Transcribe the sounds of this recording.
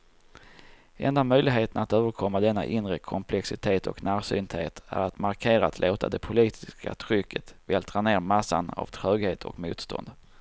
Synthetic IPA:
ɛnd̪amœjlɪɡɦeːt̪ənat̪øːvəɾkʰɔmːad̪ɛnːa̰ʔɪnɾəkʰɔmpʰlɛksɪt̪ʰeːt̪ɔknæːɾsyːnt̪heːt̪æ̰ɾat̪maɾkʰeːɾaat̪ʰlʔoːt̪ʰa̰d̪ɛpʰʊliːt̪ʰɪska̰t̪ʰɾʏkʰːət̪vɛlt̪ʰɾaneːɾmasːa̰na̰v̥t̪ʰɾøːɡheːt̪ʰɔ̰kmṵːt̪st̪ʰɔ̰nd̪

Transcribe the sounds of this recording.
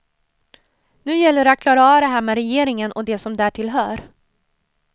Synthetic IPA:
nʉ̟ːjɛlːəɾat̪̚kʰlɑːɾaɑːad̪ɛɦæːɾmɛɾɛjeːɾɪŋənʔɔd̪ɛsɔmd̪æːʈʰɪlɦœːɾ

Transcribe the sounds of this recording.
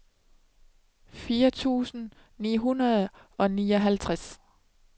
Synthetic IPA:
fiːɐt͡sʰṵːsn̩ | nḭːɦunɐð̞̩ˠʔɒ̽niːɒ̽ɦælt͡sʰʁas

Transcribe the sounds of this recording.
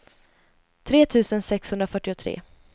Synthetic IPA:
t̪ʰɾeːt̪ʰʉ̟ːsənsɛkshɵnd̪ɾafœʈːɪʊt̪ʰɾḛː

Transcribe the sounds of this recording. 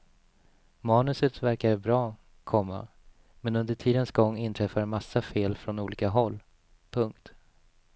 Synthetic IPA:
mɑːnɵsət̪væɾkaɾbɾɑː | kʰɔmːa̰ | mɛnɵnd̪əʈʰiːd̪ənsɡɔŋːɪnt̪ʰɾɛfːamasːafeːlfɾɔnuːliːkaɦɔlː | pʰɵŋk̚t̪

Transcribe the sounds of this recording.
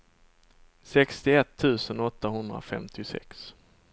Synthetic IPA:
sɛkst̪ɪɛt̪ʰːʉ̟ːsənɔt̪ːaɦɵnd̪ɾa̰fɛ̰mt̪ʰɪsɛ̰ks

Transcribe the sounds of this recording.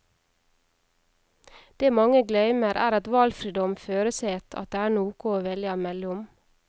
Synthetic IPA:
d̪̥eːmɑŋəɡlœʏməɾʔæ̰ːɾɑt̪ʋɑlfɾiːd̪ɔmføːɾəseːt̪ʰɑ̰t̪̚d̪eːæːɳuːkʊoːʋɛlɪɑːmɛlʊm

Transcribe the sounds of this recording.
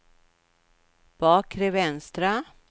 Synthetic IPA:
b̥ɑːkʰɾevɛnst̪ɾa

